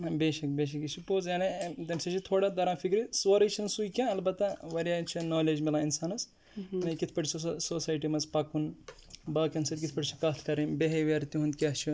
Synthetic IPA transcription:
ɐbeːʃɐk̚beːʃ̬ɐkit͡ʃʰipoːzjaːnit̪ɐmsɐt͡ʃʰit̪ʰoːɽad̪ɐɾãːfʰikɾisʋɐɾɐt͡ʃʰinsujkʲãːɐlbɐt̪ːɐʋɐɾjat͡ʃʰinoːled͡ʒmilãinsaːnɐs | nɐkit̪ʰpɐʈʰsɐsoːsaːjʈimɐzpɐkunbɐːkɐnsɐt̪̚ʲkit̪ʰpɐʈt͡ʃʰikɐt̪ʰkɐɾinbeɦeʋɐɾt̪iɦũnd̪kʲat͡ʃʰu

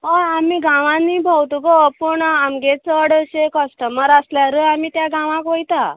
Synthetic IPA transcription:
ɦaamiːɡãʋãniːbʱawt̪uɡopuɳamɡet͡səəɽəɕekəsʈəməɾasljaɾəamiːt̪jaɡãʋãkʋojt̪a

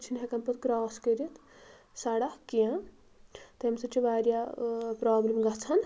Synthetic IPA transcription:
t͡ʃʰinɦekɐmpɐt̪kɾaːskəɾit̪ | saːɽakijã | t̪ɐɦɐmsɐt͡ʃʰiʋaːɾjapɾaːblemɡɐt͡sʰɐn

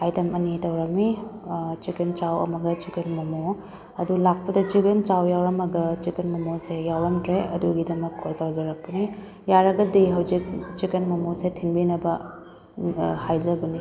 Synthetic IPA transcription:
ajdɐmɐnitɐwɾɐmi | t͡ʃikɐnt͡ʃawɐ̰mɐɡɐt͡ʃikɐnmɐmo | ɐdulak̚pɐdɐt͡ʃiɡɐnt͡ʃawjawɾɐmɐɡɐt͡ʃikɐnmɐmosejawɾɐmtɾeɐ̰duɡidɐmɐkʰːoltawzɐɾɐk̚pɐni | jaɾɐɡɐdijɦɐwzik̚t͡ʃikɐnmɐmosetʰinbinɐbɐ | hajzɐbɐni

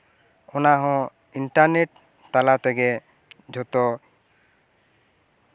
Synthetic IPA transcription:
ɔnaɦɔ̃ | iɳʈaɾneʈ | t̪alat̪ɛɡe | d͡ʒʱɔt̪o

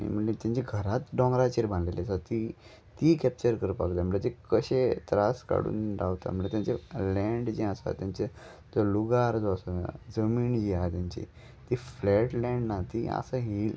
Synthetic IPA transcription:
ḭm̤əɳet̪jãɲt͡ɕiɡʱəɾat̪ɖɔ̃ŋɡɾat͡ɕiɾbãnlelesat̪i | t̪ikɛp̚t͡ɕəɾkəɾpak̪am̤əlat̪ikəɕet̪ɾaska̰ɽṵːnd̪awt̪a̰məɳlet̪jãɲt͡ɕelɛɳɖd͡ʑiasa̰t̪jãɲt͡ɕe | d͡zoluɡaɾd͡zoəsa̰d͡zəmiːnd͡ʑiat̪jãɲt͡ɕḭ | t̪iflɛʈlɛ̃ɳɖnat̪ia̰səɦil

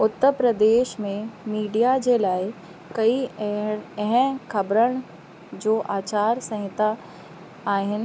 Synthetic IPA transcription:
ʊt̪ːəɾpɾəd̪eːʃmẽmiːɖijad͡ʒelaːe | kɐi | ɦə̃kʰɐbɾəɽ̃ | d͡ʒoːʔaːt͡ʃaːɾsɐ̃ɦɪt̪a | aːɦɪn

